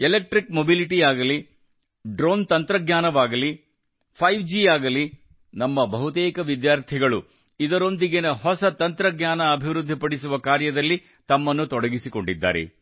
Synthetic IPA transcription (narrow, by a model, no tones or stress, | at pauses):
elek̚ʈɾikmobiliʈiaːɡɐli | ɖɾoːnt̪ɐnt̪ɾɐɡɲaːnɐʋaːɡɐli | pʰɐjʋd͡ʒiːaːɡɐli | nɐmːɐbɐɦut̪ɛːkɐʋid̪jaːɾt̪ʰiɡɐɭu | id̪ɐɾo̞nd̪iɡenɐɦɔsɐt̪ɐnt̪ɾɐɡɲaːnɐːbʱiʋɾud̪ʱːipɐɽisuʋɐkaːɾjɐd̪ɐlːi | t̪ɐmːɐnːut̪ɔɽɐɡisiko̞ɳɖid̪ːa̰ːɾḛ